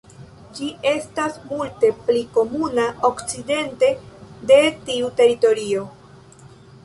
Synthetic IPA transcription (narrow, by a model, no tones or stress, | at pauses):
d͡ʒie̞stasmulte̞pliko̞munaʔo̞kt͡side̞nte̞de̞tiute̞ɾito̞ɾio̞